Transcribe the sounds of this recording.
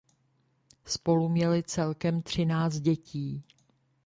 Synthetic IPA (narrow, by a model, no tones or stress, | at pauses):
spo̞lumɲɛlɪt͡sɛlkɛmt̪r̝̥ɪnaːt͡st̪̚ɟɛciː